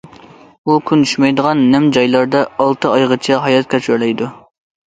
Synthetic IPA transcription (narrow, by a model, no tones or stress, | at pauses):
ukʲʰynt̪ʰyʃmɛjd̪əʁɑnːɛmd͡ʒɑjlˠɑɾd̪ɑɑlˠt̪ɨɑjʁət͡ʃʰɛɦɑjɑt̪̚kʲʰɛt͡ʃæɾlɛjd̪u